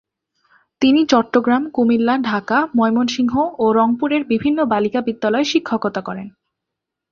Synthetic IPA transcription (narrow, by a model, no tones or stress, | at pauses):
t̪init͡ɕɔʈːoɡɾamkumilːaɖʱakamɔejmonʃiŋɦoʔoɾɔŋpuɾeɾbibʱinːobalikabid̪ːalɔeʃikʰːokot̪akɔɾen